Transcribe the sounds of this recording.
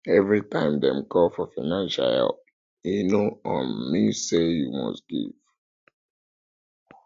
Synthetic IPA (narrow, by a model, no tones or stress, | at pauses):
ɛvɹitʰãɪ̃mdɛ̰̃mkʰɔlfɔfaɪnãnʃa̰ɛ̰ | inoɔ̃nmisejumɔ̰sɡ̥ḭv̥